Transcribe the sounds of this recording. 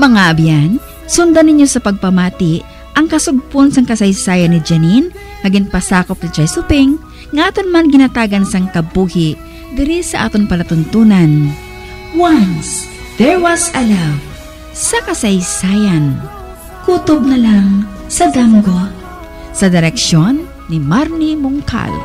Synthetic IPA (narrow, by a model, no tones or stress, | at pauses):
mɐŋaʔɐbjan | sʊnd̪anɪɲjosɐpɐɡ̚pɐmaːt̪ɪʔ | ɐŋkɐsʊɡ̚ponsɐŋkɐsɐjsaːjɐnːɪd͡ʒɐnin | hɐɡɪŋpɐsaːkop̚nɪt͡ʃɐjsʊpɪŋː | ʔaːt̪onmanɡɪnɐt̪aːɡɐnsɐŋk̪ɐbuːhɪʔ | d̪ɪɾisɐʔa̰ːt̪oŋpɐlɐt̪ʊnt̪uːnɐn | wans | d̪̥ɛɹwɐsɐlaw | sɐkɐsɐjsaːjɐn | kuːt̪oɡ̚nɐlaŋ | sɐd̪amɡo | sɐd̪ɪɾɛkʃonːɪmaɾnimʊŋkʰa̰l